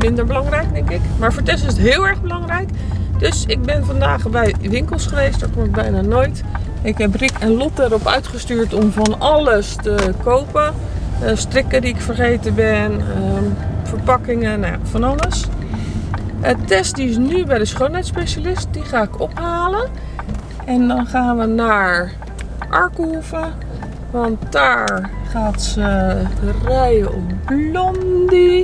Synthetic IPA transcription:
mɪndəɹbəlɑŋrɛjk̚dɛŋkɪkmaːɹvoːɹtɛstɪsətɦɪːlˠɛɹχbəlɑŋrɛjk | døsɪɡ̚bɪnvɑndaːχbɛjʋɪŋkəlˠsχəʋejstdaɹkɔmɪɡ̚bɛjnaːnoːjt | ɪkɦɛp̬rɪkʰɛnlɔt̚aɾɔpœ̰ɥtχəstyːɹtɔmvɑnɑləstəkowpə | strɪkədiɪkfərχejtəbɪnəfəɹpɑkɪŋəna̰fɔnɑləs | ətɛstdiɪs̬nybɛjdəsχownɛjtspeʃalɪst̚diχaːɪkɔphaːlə | ɛndɔnχaːnʋənaɹ | ʔɑɹkuvə | ʋɔntdaːɹχaːtsərɛjəɔpblɔndi

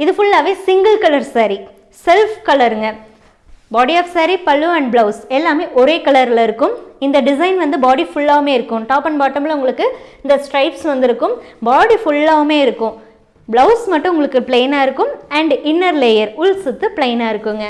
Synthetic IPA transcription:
ɪðɯfʊɭːaːʋeːsɪŋɡɐlkɐlɐɾsaːɾi | sɛlfkɐlɐɾɯŋɡɐ | baːɽiɐːfsaːɾipɐlːɯɐɳɖbɭɐʊsɛlːaːmeːʔɔɾeːkɐlɐɾlɐɪɾɯkːɯmɪnd̪ɐɖɪs̬ɐɪnʋɐnd̪ɯbaːɽifʊɭːaːɣɐmeːɪɾɯkːɯ̃ʈaːpɐnbaːʈːɐmɪlɐʊŋɡɐɭɯkːɯɪnd̪ɐsʈɾɐɪpsʋɐnd̪ɪɾɯkːɯmbaːɽifʊɭːaːɣɐmeːɪɾɯkːʊ̃ | bɭɐʊsmɐʈːɯ̃ʊŋɡɐɭɯkːɯpɭeːnaːɪɾɯkːɯmɐɳɖɪnːɐɾlejɐɾʊlsɯt̪ːɯpɪɭeɪnaːɪɾɯkːɯŋɡɐ

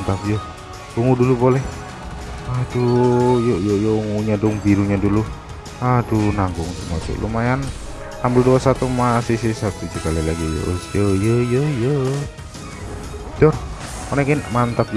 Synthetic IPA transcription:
nt̪ap̚jo | uŋudulupolɛh | adujojojoŋuɲadʊŋbiɾuɲadulu | adunaŋɡʊŋt̪uma̰sṵlʔṵmajan | ambəlduasat̪umasɪsisat̪ud͡ʒukalilaɡijo̰sjəjəjəjə | dɔr | monɛkɛnmant̪ap̚

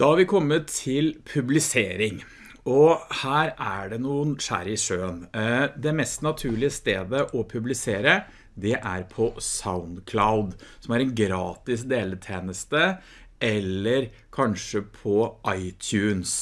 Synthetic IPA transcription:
d̪̥ɑhɑɾʋɪkʰɔmːət̪ʰːɪlpʰʉblɪseːɾɪŋ | ɔhæːɾæɖɛnuːənʂæ̰ːɾɪʂøːnd̪ɛmɛst̪nɑt̪ʰʉːɭɪəst̪eːd̪əʔɔpʰʉblɪseːɾə | d̪ɛʔæɾpʰɔsaʊnd̪kʰlaʊd̪sɔmæɾɛnɡɾɑːt̪ɪsd̪eːlət̪ʰeːnəst̪ə | ʔɛlːəɾ | kʰɑnʂəpʰɔʔɑɪt̪ʰjʉːns

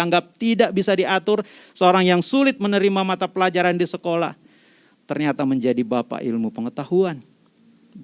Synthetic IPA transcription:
aŋɡap̚t̪idaʔbisadiat̪ʊrsəoɾaŋjaŋsulɪt̪̚mənəɾimamat̪apəlad͡ʒaɾandisəkola̰h | t̪ərɲat̪aməɲd͡ʒadibapa̰ʔḭlmupəŋət̪ahuan

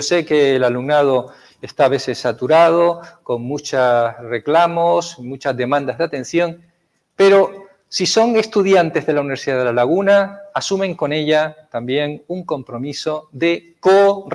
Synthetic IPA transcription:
ose̞ke̞ːlalumnað̞o | est̪aːβe̞se̞sːat̪uɾað̞o̞ko̞ŋmut͡ʃasre̞klamosmut͡ʃazðe̞mãnd̪azðeat̪ẽ̞n̟θjo̞ŋ | pe̞ɾo̞ | siso̞ŋe̞st̪uðjant̪e̞zð̞e̞launiβɾsiðað̞elalaɣ̞unaːsumẽ̞ŋko̞ne̞ʎat̪ambje̞ŋuŋko̞mpɾo̞miso̞ðe̞ko

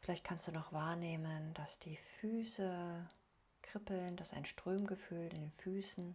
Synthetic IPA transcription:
fɪlaɪçt̚kʰanstd̥uːnɔχv̥aːɐneːmənd̥asd̥iːfyːsə | kʁ̥ɪpl̩nd̥asa̰ɪnʃtʁ̥øːmɡəfyːlɪndeːnfyːsn̩

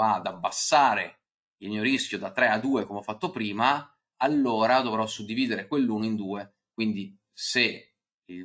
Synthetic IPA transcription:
ad̪abːasːaːɾe | ilmiːoɾiskʲjod̪at̪ːɾɛad̪ːuːekomeɔfːat̪ːopɾiːma | alːoːɾad̪ovɾɔsud̪ːiviːd̪eɾekwelːuːnoind̪uːe | kwind̪i | se | i

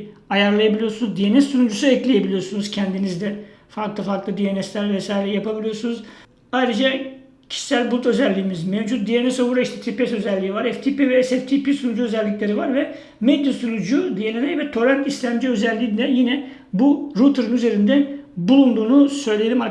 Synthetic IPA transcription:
ajaɾlˠajabilʲijo̞ɾsunuzd̪ijenɛsːunud͡ʒusuɛclʲeje̞bilʲijo̞ɾsunuzcʰɛnd̪inizd̪ɛfaɾklˠɯfaɾklˠɯd̪ijenɛslʲæɾvɛsaːjiɾɛjapabilʲijo̞ɾsunuz | ajɾɯd͡ʒa | cʰi̥ʃi̥sælʲbulˠt̪ʰø̞zɛlʲːiːmizmɛvd͡ʒut̪̚d̪ijenɛsobuɾaiʃt̪ʰɛt̪ʰipɛsø̞zɛlʲːiːivaɾɛft̪ʰipivɛːsɛft̪ʰipisunud͡ʒuø̞zɛlʲːiclʲe̞ɾivaɾvɛ | med̪jasunud͡ʒud̪ijelʲenɛvɛt̪ʰo̞ɾɛnt̪islʲæmd͡ʒiø̞zɛlʲːiːnd̪ɛjinɛ | buɾut̪ʰɯɾɯnyze̞ɾind̪ɛbulˠund̪uːnusø̞jlʲejelʲima

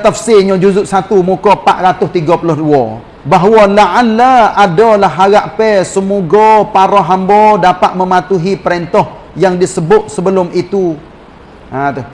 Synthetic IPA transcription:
t̪afsɪɲɔ̃d͡ʒuzʊʔ̪sat̪umukɔpaʔ̪ɾat̪ʊst̪iɡɔpulʊhduɔ | baɦwɔlaʔalːaadɔlaɦːaɣaʔpɛsəmuɡɔpaɾɔɦambɔdapat̪̚məmat̪uɦipəɾɛnt̪ɔh | jaŋdisəbʊt̪̚səbəlʊmit̪u | ʔat̪ʊ

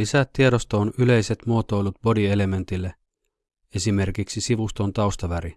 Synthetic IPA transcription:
lisæt̪ːieɾost̪oonyle̞jset̪muot̪o̞jlut̪̚bo̞die̞le̞me̞nt̪ilːe | e̞sime̞rkiksisiʋust̪o̞nt̪ɑust̪ɑʋæɾi

